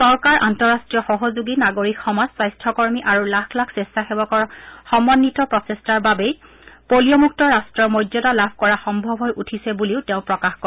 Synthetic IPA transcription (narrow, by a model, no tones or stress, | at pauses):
sɔɹkaɹʔantɔɹastɹijɔxɔɦozuɡinaɡoɹikxɔmazswajstʰɔkɔɹmiʔaɹulakʰlakʰsestaxeɔɔxɔmɔnːitɔpɹɔtestaɹbabej | poliɔmuk̚tɔɹastɹɔɹmɔjdɔtalabʱkɔɹaxɔmbʱɔbʱɦɔjʔutʰisɛbuliʊteʊ̃pɹɔkaxkɔ